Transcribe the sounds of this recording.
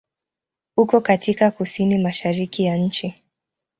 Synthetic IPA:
hukɔkatikakusinimaʃaɾikijaɲ̩t͡ʃi

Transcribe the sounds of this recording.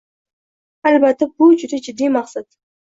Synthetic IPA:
albat̪ːabʊd͡ʒʊd̪ad͡ʒɪd̪ːijmaqsat̪

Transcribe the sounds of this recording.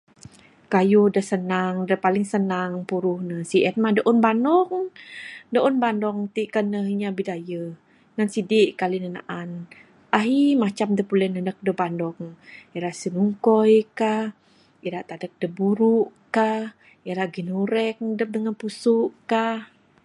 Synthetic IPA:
kajudəhsənaŋdəhpalɪŋsənaŋpuɾʊhnəsiɛn̚madəʔɔnbanɔŋ | dəʔɔnbandɔŋt̪iʔkanəɦiɲabidajə | ŋansidiʔkalinəna̰ʔan | ʔaɦimat͡ʃamdəpulɛnədək̚dəbandɔkiɾaʔsinuŋkɔjkah | iɾaʔt̪adək̚dəbuɾuʔkah | iɾaʔɡinuɾɛk̚dəp̚dəŋanpusʊʔkah

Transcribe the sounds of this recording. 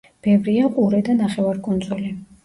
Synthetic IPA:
b̥ɛvɾiaqʼuɾɛd̪anaχɛvaɾkʼɔnd̪zɔli

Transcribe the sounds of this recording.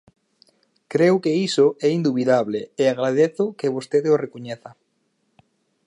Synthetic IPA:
kɾewkeisoʔɛind̪uβiðaβleeaɣɾað̞eθʊkeβost̪eðeorekoɲeθa

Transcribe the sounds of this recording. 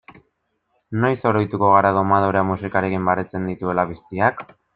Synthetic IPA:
no̞jso̞ɾo̞jt̪uko̞ɣ̞aɾaðo̞mað̞oɾeamusikaɾe̞kimbaɾet͡se̞nd̪it̪ue̞laβ̞ist̪iak

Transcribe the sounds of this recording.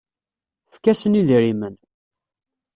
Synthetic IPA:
fkæsəniðɾimən

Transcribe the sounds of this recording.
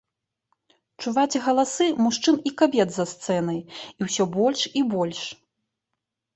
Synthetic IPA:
t͡ʂuvat͡sʲɣɐlˠasɨmuʂt͡ʂɨnikabʲɛd̪zast̪sɛnɐjiwsʲɔbɔlʲʂibɔlʲʂ

